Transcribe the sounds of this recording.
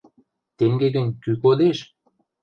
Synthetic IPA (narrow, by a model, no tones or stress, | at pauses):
t̪eŋɡeɡə̆nʲkykod̪eʃ